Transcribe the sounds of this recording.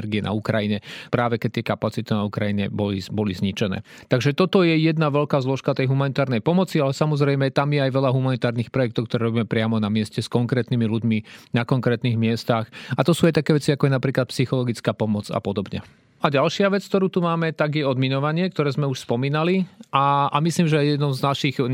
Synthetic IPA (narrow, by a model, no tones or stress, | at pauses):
ɾɡiɛna̰ukɾajiɲɛpɾaːʋɛkɛt̪ɪɛkapat͡sit̪inaukɾajiɲɛ̰bɔlibɔlizɲit͡ʃɛnɛ̰ːt̪aɡʒɛt̪ɔt̪ɔjɛjɛd̪naʋɛʎkaːzlɔʃkat̪ɛjɦumanit̪aːɾnɛjpɔmɔt͡sialɛsamɔzɾɛjmɛt̪amjɛajʋɛʎaɦumanit̪aːɾnixpɾɔjɛk̚t̪ɔʊkt̪ɔɾɛːɾɔbiːmɛpɾɪamɔnamɪɛscɛskɔŋkɾɛːt̪nimiluɟminakɔŋkɾɛːt̪niɣmɪɛst̪axat̪ɔsuːajt̪akɛːʋɛt͡siakɔjɛnapɾiːklat̪̚psixɔlɔɡit͡skaːpɔmɔt͡sa̰pɔd̪ɔbɲɛ̰ | aɟalʃɪaʋɛt͡sk̚t̪ɔɾuːt̪umaːmɛt̪aɡjɛɔd̪minɔʋaɲɪɛkt̪ɔɾɛːzmɛuʃspɔmiːnaliʔaamisliːmʒɛajjɛd̪nɔmznaʃiɣ